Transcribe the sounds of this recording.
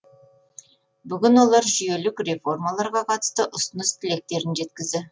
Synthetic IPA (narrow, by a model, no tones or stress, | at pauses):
bʏɡʲɪnwo̞lˠɑɾʒʏje̞lɪkre̞fo̞rmɑlˠɑɾʁɑqʰɑt̪ə̥st̪əʔʊsənəst̪ʰɪle̞k̚t̪e̞ɾɪnʒe̞t̪kʲɪzd̪ɪ